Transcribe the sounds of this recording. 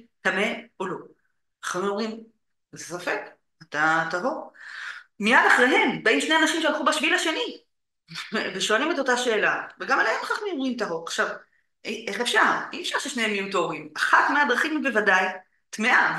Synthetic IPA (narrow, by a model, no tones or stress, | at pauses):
tame̞olo̞ | aχmoʁim | zesofek | at̪at̪aɦo̞ʁ | miadaχʁeɦe̞mbaimʃneanaʃimʃealχubaʃvilaʃeni | veʃoalime̞to̞taʃe̞ːlaveɡamalehemχaχmioʁimt̪̬aɦoʁaχʃav | ʔeχefʃaʁiefʃaʁʃeʃnehemːijutooʁimaχatmead̪ʁaχimbevadaj | tmeʔa